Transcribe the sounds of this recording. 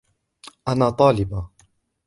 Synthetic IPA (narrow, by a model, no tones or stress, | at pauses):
ʔanaːt̪ˤɑːlɪba